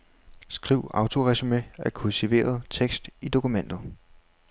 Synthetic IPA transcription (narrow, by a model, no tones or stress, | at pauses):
sɡ̥ʁiʊ̰ɑ̈ʊt͡sʰo̝ʁɛsimeæɐkʰult͡sʰiʋe̝̰ːɐð̞ˠt͡sʰeɡ̥sd̥id̥o̝kumen̰d̥ð̩ˠ